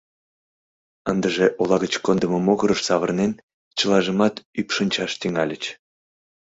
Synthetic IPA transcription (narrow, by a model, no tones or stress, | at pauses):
ənd̪əʒeʔolɑɣət͡ɕkond̪əməmoɣəɾəʃsɑβərnen | t͡ɕəlɑʒəmɑt̪ypʃənʲt͡ɕɑʃt̪yŋɑlʲət͡ɕ